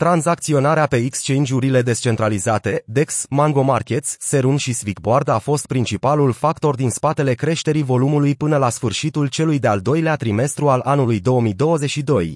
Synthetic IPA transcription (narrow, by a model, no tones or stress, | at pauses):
t̪ɾanzak̚t̪sio̞naɾeape̞ikst͡ʃe̞jnd͡ʒuɾile̞d̪e̞st͡ʃe̞nt̪ɾalizat̪e̞d̪e̞ksmaŋɡo̞markʲe̞t̪sʲːe̞ɾunʃisvikboard̪afo̞st̪̚pɾint͡ʃipalulfakt̪o̞rd̪inspat̪e̞le̞kɾe̞ʃt̪e̞ɾivo̞lumulujpɨnəlasfɨrʃit̪ult͡ʃe̞lujd̪e̞ald̪o̞jleat̪ɾime̞st̪ɾualʔanulujd̪o̞əmijd̪o̞wəze̞t͡ʃʃid̪o̞j